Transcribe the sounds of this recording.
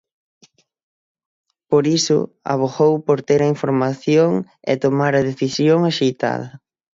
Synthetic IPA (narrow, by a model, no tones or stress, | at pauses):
poɾisʊ̰a̰β̞oɣowpoɾt̪eɾɐiɱfoɾmaθjoŋ | ɛ̰t̪omaɾɐðeθisjoŋaʃejt̪a̰ðɐ